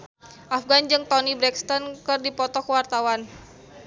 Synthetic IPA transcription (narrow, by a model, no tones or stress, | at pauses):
ʔafɡand͡ʒɨŋt̪ɔnibɾɛkst̪ɔnkɨrdipɔt̪ɔkəwart̪awan